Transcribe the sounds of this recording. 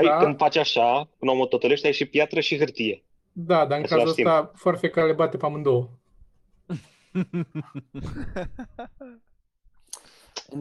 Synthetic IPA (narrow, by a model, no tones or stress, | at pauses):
ajɨnd̪fat͡ʃaʃakunomot̪ot̪oleʃt̪ajʃipjat̪ɾəʃiɦɨrt̪ije̞ | d̪ad̪aɨŋkazlaast̪it̪afoarfekaɾlebat̪epamɨnd̪oo